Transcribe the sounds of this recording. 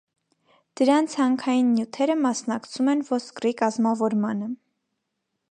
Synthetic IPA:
d̪̥əɾɑnt͡sʰhɑŋkʰɑjinːjut̪ʰɛɾəmɑsnɑkt͡sʰumɛnvɔskrikɑzmɑvɔɾmɑnə

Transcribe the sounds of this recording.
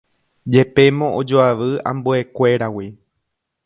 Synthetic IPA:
d͡ʒe̞pe̞mõ̞ʔod͡ʒoaʋɨã̰mbue̞kʷe̞ɾawi

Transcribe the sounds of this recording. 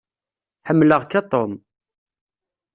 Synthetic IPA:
ħəmːləʁkːɑt̪ˤom

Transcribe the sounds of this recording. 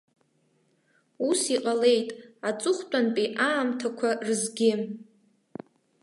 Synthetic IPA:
usiqʼale̞jtʼat͡sʼʊχʷt͡pʷʼanpʼiʔaːmtʰakʷʰarɨzɡʲɪ

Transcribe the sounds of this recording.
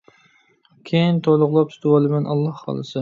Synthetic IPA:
kʲʰejint̪ʰolˠʊʁlˠɑp̚t̪ʰt̪ʰuwɑlˠɪmanʔɑlˠːɑhːɑ̰lˠɨsɪ

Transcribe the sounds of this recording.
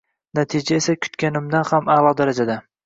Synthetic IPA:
nat̪ʰɪd͡ʒaesakʲʰʊ̥t̪kʲanɪmd̪anhamalˠɒd̪aɾad͡ʒad̪a

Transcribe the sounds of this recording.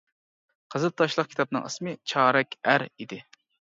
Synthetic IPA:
qʰəzɨt̪ʰːɑʃlˠəq̚kʲʰi̥t̪ʰɑp̚nɨ̰ŋə̰smɨt͡ʃʰɑːɾɛkʲæɾid̪ɪ

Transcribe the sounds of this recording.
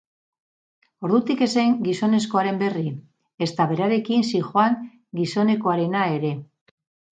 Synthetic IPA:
o̞ɾðut̪ike̞seŋɡiso̞ne̞sko̞aɾe̞mbe̞ri | e̞st̪aβe̞ɾaɾe̞kinsixoaŋ | ɡiso̞ne̞ko̞aɾe̞nae̞ɾe̞

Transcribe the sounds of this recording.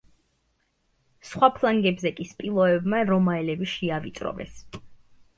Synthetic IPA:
sχwapʰlˠaŋɡɛbzɛkʼispʼilˠɔɛbmaɾɔmaɛlɛbiʃiavit̪sʼɾɔ̰vɛ̰s

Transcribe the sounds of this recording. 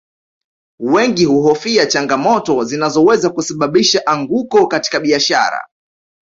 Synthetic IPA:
wɛŋɡihuɦɔfiat͡ʃaŋɡamɔtɔzinazɔwɛzakusaɓaɓiʃaʔaŋɡukɔkati̥kaɓiaʃa̰ɾa̰

